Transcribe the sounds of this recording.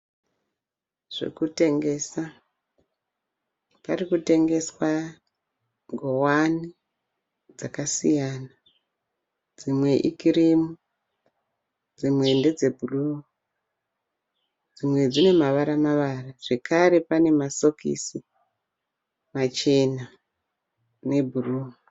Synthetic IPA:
ʐ̥ḛkute̞ŋɡe̞sa | parikute̞ŋɡe̞swa | ɡʱo̞wani | d͡zakasijana | d͡zimwe̞ʔikirimu | d͡zimwe̞nde̞d͡ze̞bʱuruu | d͡zimwe̞d͡zine̞maʋaɾamaʋaraʐ̥e̞kaɾe̞pane̞maso̞kḭsi | mat͡ʃe̞na | ne̞bʱuruːu

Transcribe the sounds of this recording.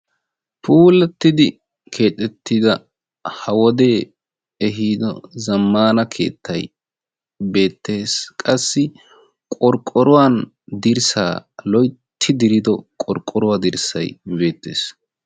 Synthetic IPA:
pʰuːlɛt̪ːɪd̪ɪ | kʰe̞ːt̪ʼːɛt̪ːɪd̪ɐ | hɐwɔd̪e̞ː | ɛɦiːd̪ɔ̰zɐmːaːnɐkʰe̞̰ːt̪ʰːɐj | be̞ːt̪ːe̞ːskʼɐsːɪ | kʼɔɾkʼːɔɾʊwaːn | d̪ɪɾsa̰ːlɔjt̪ʰːɪd̪ɪɾɪd̪ɔkʼɔɾkʼːɔɾʊwad̪ɪɾsɐ̰jbe̞ːt̪ːe̞̰ːs

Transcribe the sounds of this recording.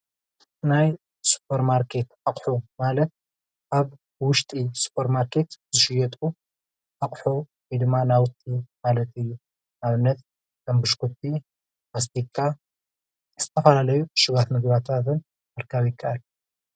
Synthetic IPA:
naj | su̥pʰːɐɾmaɾkʰe̞t̪ʔaqʼħumalɐt̪̚ | ʔaβ | wʊʃt̪ʼisu̥pʰɐɾmaɾkʰe̞t̪zɨʃɪjɛt̪ʼu | ʔaχʼħu | id̪ɨmːanawʊt̪ʼimalɐt̪ɨjːu | naβɨnːɐt̪̚ | kɐmbɨʃkʰut̪ʼːi | bas̬t̪ʰikʰʼːa | z̥ɨt̪ʰɐfɐlalɐjuʃɪβat̪mɨɡβat̪ʰat̪ɨn | mɐɾkʰaβjɪkʼːaal

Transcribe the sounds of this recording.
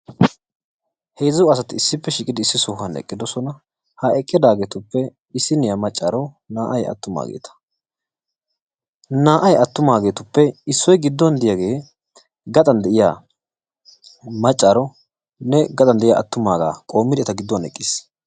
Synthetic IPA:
hɛjzʊwɐs̬ɐt̪ɪɪsːɪpːɛʃɪkʼːɪd̪ɪɪsːɪsɔːhɐnɛ̰kʼːɪd̪ɔsɔnɐ | hɐʔɛkʼːɪd̪aːɡe̞ːt̪ʊpːɛ | ɪsːɪnɪjamɐt͡ʃʼːaːɾɔ | naːʔɐjɐ̰t̪ːʊma̰ːɡḛːt̪ʰɐ̥ | naːʔɐjɐt̪ːʊmaːɡe̞ːt̪ʊpːɛɪsːɔjɡɪd̪ːɔnd̪ɪjaɡe̞ː | ɡɐt̪ʼɐnd̪ɛʔɪja̰ː | mɐt͡ʃʼːaːɾɔ | nɛɡɐt̪ʼɐnd̪ɛʔɪja̰ːɐ̰t̪ːʊmaːɡa̰ːkʼo̞ːmːɪd̪ɪɐt̪ɐɡɪd̪ːɔnɛ̰kʼːiːs

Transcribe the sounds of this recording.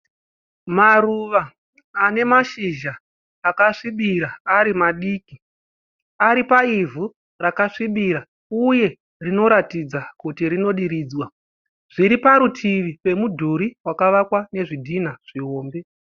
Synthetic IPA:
maruʋaː | ne̞maʃiʒaː | kaʂiɓiɾaaɾimaɗiːki | aɾipaivʱu | rakaʂiɓiɾa | uje̞ | rino̞ɾatid͡zakutiɾino̞ɗiɾiːd͡zwa | ʐ̥iɾipaɾutʰiʋipe̞mudʱuɾiwakaʋakwane̞ʐidʱinaʐ̥iɦo̞ːmbe̞

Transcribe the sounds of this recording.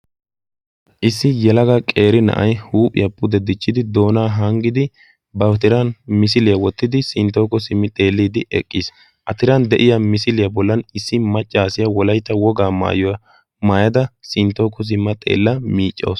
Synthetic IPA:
ʔɪsːɪjɛlɐɡɐkʼe̞ːɾɪnɐ̰ʔɐjhuːpʼɪ̰jɐpːʊd̪ɛd̪ɪt͡ʃːɪd̪ɪd̪o̞ːnaːɦɐŋɡɪd̪ɪ | bɐwt̪ɪɾɐnmɪs̬ɪlɪjɐwɔt̪ːɪd̪ɪsɪnt̪ːo̞ːkːɔsɪmːɪt̪ʼe̞ːlːiːd̪ɪʔɛ̰kʼːɪs | ʔɐt̪ɪɾɐnd̪ɛʔɪjɐmɪsɪlɪjɐbɔlːɐnɪsːɪmɐt͡ʃʼːaːsɪjɐwɔlɐjt̪ːɐwɔɡaːma̰ːjɔɐ | maːjɐd̪ɐsɪnt̪ːoːkːɔs̬ɪmːɐt̪ʼḛːlːɐmiːt͡ʃʼːo̰ːs

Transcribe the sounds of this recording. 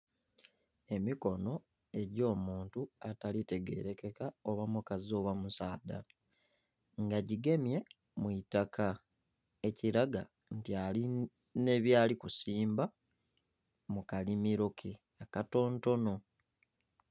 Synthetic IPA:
e̞miko̞no̞ | e̞ɟo̞ːmuːntuatalite̞ɡe̞̰ɾe̞ke̞kaoβamukazo̞ːβwamusaːda | ŋɡaɟiɡe̞mje̞ | mwitakʰa | e̞ciɾaɡa | ntiali | ne̞βjaːlikusiːmba | mukalimiɾo̞kʰe | akato̞ːnto̞no̞

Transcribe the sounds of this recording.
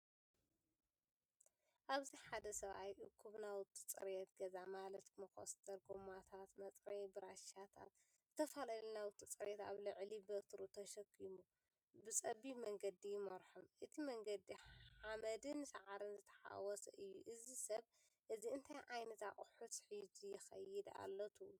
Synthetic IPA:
ʔaβziħad̪ɐsɐβa̰jʔɨkʰːuβnawʊt̪ʰːɨt͡sʼɨ̰ɾjɛt̪ɡɐzamalɐt̪mɐkʰo̰st̪ʰɐɾɡumat̪ʰat̪mɐt͡sʼɾɐjbɨɾaʃat̪ʰa̰t̪ | zɨt̪ʰɐfalalnawʊt̪ʰʼːit͡sʼɨɾʔɛt̪a̰βlɨʕlibɐt̪ʰɾut̪ʰɐʃɐkʰːimu | bɨt͡sʼɐbimɐŋɡɐd̪ijɪmɐɾħomʔɨt̪ʰimɐŋɡɐd̪iħamɐd̪ɨnsɐʕaɾɨnzɨt̪ʰɐ̥ħa̰wɔsɐ̰ʔɨjːuʔɨzisɐβ | ʔɨziɨnt̪ʰajʔajnɐt̪aχʼħusħid͡ʒijɪxɐ̰jɪd̪a̰lːɐt̪ʰu

